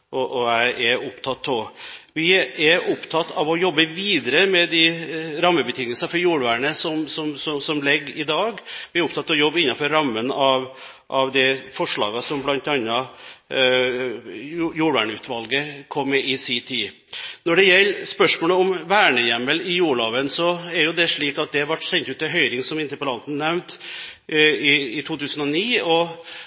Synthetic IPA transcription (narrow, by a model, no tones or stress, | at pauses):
ʔɔʔɔæɪʔɛʊpt̪ʰɑt̪ʰːɔʋɪɛɾʊpt̪ʰɑt̪ːɑʋɔjɔbːəʋiːd̪əɾəmɛd̪ɪɾɑmːəbət̪ʰɪŋːəlsɑfɔɾjuːɽʋæːɳəsɔmsɔmsɔsɔmlɛɡːɪd̪ɑːɡʋɪæɾʊp̚t̪ʰɑt̪ːɔjɔbːɪnːɑnfɔɾːɑmːənɑʋ | ʔɑʋd̪ɛfɔʂɭɑ̰ːɡɑsɔmblɑnt̪ɑnːɑ | juːɾʋæ̰ːɳəʉːt̪ʰʋɑlɡəkʰɔmːɛʔɪsit̪ʰiː | nɔɖɛjɛlːspœʂmoːləɔmʋæːɳəjɛmːəlɪjuːɭɑːʋənsɔæɾjʊd̪ɛʂɭiːkɑt̪̚d̪ɛʋɑʈsɛnt̪ʉːt̪ːɛɦœʏɾɪŋsɔmɪnt̪əpɔlɑnt̪n̩nɛʋnt̪ | ɪɪt̪ʰuːt̪ʰʉːsən̩ɔniːɔ